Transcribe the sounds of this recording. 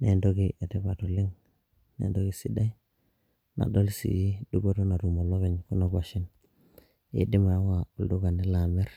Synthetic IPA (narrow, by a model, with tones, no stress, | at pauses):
ne˨ndo˦ɡi˦ʔe˨ti˦pa˨tu˨li˦ŋ | nḛ˨ndo˦ki˦si˦da˦i˦ | nʔa̰˨do˦lsḭ˨i˦du˦bo˦tu˦na˨ɾu˨mo˨lo˦βi˨ɲku˦no˦ɡa˨ʃi˦n | ḭ˨˦di˦ma˨˦wa˨u˨ldu˦ka˨ni˦la˨mi˦ɾ